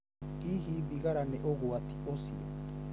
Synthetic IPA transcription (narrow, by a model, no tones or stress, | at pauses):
kiɦiðiɣaɾaneʔoɣoat̪i̥ʔosḭa̰